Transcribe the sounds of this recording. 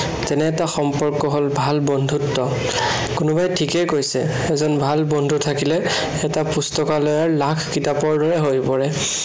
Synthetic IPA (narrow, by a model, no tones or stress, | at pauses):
tɛnɛːtaxɔmpɔɹkɔɦolbʱalbɔndʱutːɔ | kʊnubajtʰikɛkojsɛ̰ | ɛzɔnbʱalbɔndʱutʰakilɛ | ɛtapustɔkalɔjaɹlakʰkitapɔɹdɔɹɛɦojpɔɹɛ